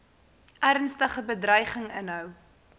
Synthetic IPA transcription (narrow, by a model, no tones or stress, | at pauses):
ʔærnstəχəbədrœjχəŋənɦœw